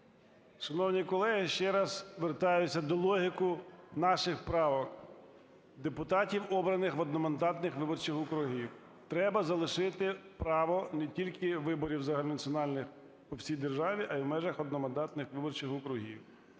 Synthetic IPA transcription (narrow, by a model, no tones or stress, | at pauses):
ʃɐnɔwnʲikɔlˠɛɦɪʃt͡ʃɛɾɐz̥ʋert̪ɑjʊːɐd̪ɔlˠɔɦʲɪkʊnɑʃɪxpɾɑʋɔk | d̪epʊt̪ɑtʲiwɔbɾɐnɪxʋɔd̪nɔmɐnd̪ɑt̪nɪxʋɪbɔrt͡ʃɪxʊkɾʊɦʲiw | t̪ɾɛbɐzɐlˠɪʃɪt̪ɪpɾɑʋɔnetʲilʲkɪʋɪbɔɾʲiwzɐɦɐlʲunɐt͡sʲɔnɑlʲnɪx | pɔwsʲijd̪erʒɑʋʲiʔɐiwmɛʒɐxɔd̪nɔmɐnd̪ɑt̪nɪxʋɪbɔrt͡ʃɪxʊkɾʊɦʲḭw